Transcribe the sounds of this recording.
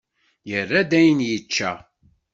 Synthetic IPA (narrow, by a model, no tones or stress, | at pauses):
jərːæd̪æjənjət͡ʃːæ̰